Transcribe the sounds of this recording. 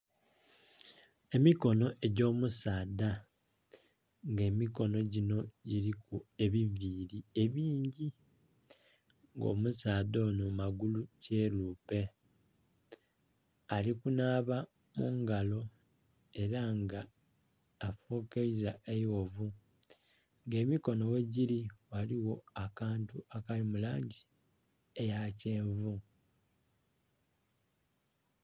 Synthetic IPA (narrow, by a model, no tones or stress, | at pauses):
e̞miko̞no̞ʔe̞ɟo̞ːmusaːda | ŋɡe̞ːmiko̞no̞ɟino̞ɟiɾikue̞βiviːɾie̞βiːɲɟi | ŋɡo̞̰musaːdo̞nomaɡuluce̞luːpe̞ | alikunaːβa | muŋɡalo̞ | e̞ɾaŋɡaː | fukeizaʔejwo̞vu | ŋɡe̞ːmiko̞no̞we̞ɟiliwaliwo̞akaːntuakalimulaːɲɟi | ejaceːɱvu